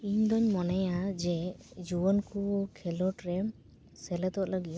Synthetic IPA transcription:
iɲd̪ɔɲmɔnɛjad͡ʒɛd͡ʒuɔnkukʰɛlɔʈɾɛ | sɛlɛt̪ɔʔləɡi

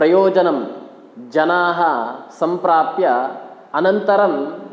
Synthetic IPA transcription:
ɾɐjoːd͡ʒɐnɐm | d͡ʒɐnaːɦɐsɐmpɾaːpjɐ | ɐnɐnt̪ɐɾɐm

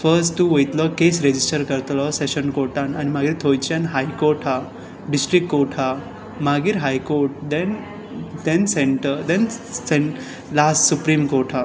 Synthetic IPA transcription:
fəɾsʈtːuojt̪lɔkesɾed͡ʑisʈəɾkəɾt̪lɔseɕənkoɾʈãnanimaɡiːɾt̪ʰojt͡ɕjãnɦajkoɾʈɦa | ɖisʈɾikːoɾʈʰa | maɡiːɾɦajkoɾʈ̚d̪ɛ̃n | d̪ɛnseɳʈəɾd̪ɛnseɳ | lassupɾimkoɾʈʰɦa

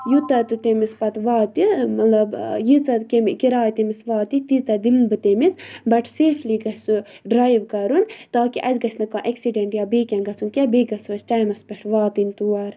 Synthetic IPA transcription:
jut̪ɐt̪ut̪emispɐt̪ʋaːt̪imɐt̪lɐbjit͡sɐkemkiɾaːjt̪emisʋaːt̪it̪it̪ɐd̪ilbɨt̪emisbɐʈseːfʰliɡɐssu | ɖɾaːjʋkɐɾunt̪aːkiʔɐzɡɐsnɐkãːʔeksiɖeɳʈjaːbeːkʲɐ̃nɡɐt͡sʰunkʲabeːɡɐt͡suːsʈajmɐspeʈʰʋaːt̪int̪uːɐɾ

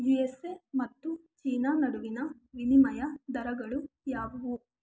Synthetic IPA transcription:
jiesemɐt̪ːut͡ʃiːnaːnɐɽuʋinɐ | ʋinimɐjɐd̪ɐɾɐɡɐɭujaːʋɐʋu

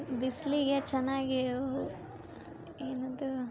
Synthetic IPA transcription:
bisliɡet͡ʃɐnːaːɡio | eːnɐd̪u

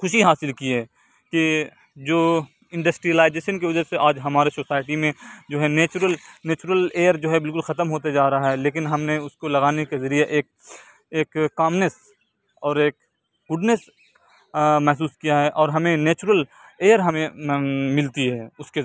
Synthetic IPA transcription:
xʊʃiɦaːsɪlkiɛː | ki | d͡ʒoː | ɪ̃ɳɖəsʈɾijəlaːɪd͡ʒeːʃənkeʋʊd͡ʒəɾseʔaːd͡ʒɦɐmaːɾesosaːɪʈimẽd͡ʒoːɦɛneːt͡ʃʊɾəlneːt͡ʃʊɾəleːjəɾd͡ʒoːɦɛbɪlk̬ʊlxɐt̪əmɦoːt̪̬ed͡ʒaːɾɐaɦɛleːk̬ɪnɦɐmneʊskolɐɡaːnekezɐɾijeʔeːk̚ | eːkkːaːmnes | ɔːɾeːk̚ | ɡʊɖnəs | mɛɦs̬uːskijaɦɛʔɔːɾɦɐmẽneːt͡ʃɾəleːəɾɦɐmẽmɪlt̪iɦɛːʊske

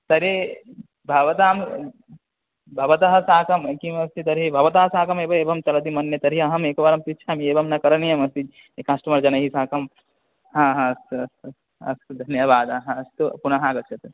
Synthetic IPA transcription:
t̪ɐɾe | bʱɐʋɐt̪aːm | bʱɐʋɐt̪ɐɦɐsaːkɐmkimɐst̪it̪ɐɾibʱɐʋɐt̪ɐɦɐsãːkɐmeːbɐeːbʱɐmt͡ʃɐlɐt̪̬imɐnjɐt̪ɐɾiɐɦɐmeːkɐbaɾɐmpit͡ʃʰaːmeːbʱɐmnɐkɐɾɐnijɐmɐst̪i | ekasʈɐmɐɾd͡ʒɐnɐɦisãːkɐm | ɦãːɦãsɐs | ɐ̰sd̪ʱɐnjɐʋaːd̪aɦãɐst̪opunɐɦãːɡɐt͡ʃʰɐt̪

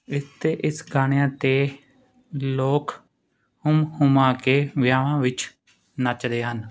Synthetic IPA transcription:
ɪst̪eːʔɪsɡaːɳ̃ejãːt̪eː | loːk | hʊmhʊmãːkeːʋjaːʋãːʋɪt͡ʃ | nət͡ʃd̪eːɦən

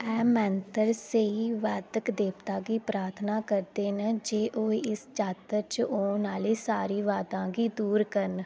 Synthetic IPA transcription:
ɛːmɛ̃ːnt̪əɾseiːʋaːd̪əkd̪eːpt̪aːɡiːpɾaːɾt̪ʰnaːkəɾd̪eːnəd͡ʒeːʔoːeɪst͡ʃaːt̪əɾt͡ʃoːnaːliːsaːɾiːʋaːd̪ãːɡiːd̪uːɾkəɾn

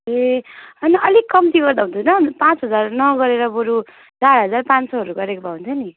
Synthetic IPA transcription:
eʌniʌlikːʌmt̪iɡʌrd̪aɦũnt̪ʰunʌpãt͡sɦʌd͡zarnʌɡʌɾeɾʌboɾu | d͡zaɾɦʌd͡zarpãnsʌɦʌɾuɡʌɾekobʱaɦũnt͡sʰʌni

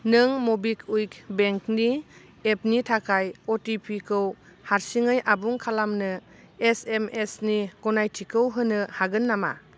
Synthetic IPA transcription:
nɯŋmobikʰujkbeŋkni | ep̚nitʰakʰajɔtipʰikʰɯw | haɾsiŋɯjʔabuŋkʰalamnɯ | esemesniɡ̥ɔnajtʰikʰɯwɦɯnɯhaɡɯnːama̰

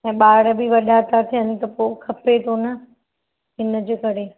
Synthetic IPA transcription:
ɛ̃ːɓaːɽbɪʋɐɗat̪at̪ʰijənɪ̆t̪ɐpoːkʰɐpet̪ʰonɐ | ɦɪnə̆d͡ʑeːkɐɾe

